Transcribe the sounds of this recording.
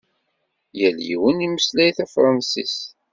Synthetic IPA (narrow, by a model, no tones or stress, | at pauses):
jəljḭwəniməslæjθæfɾˤɑnsḭs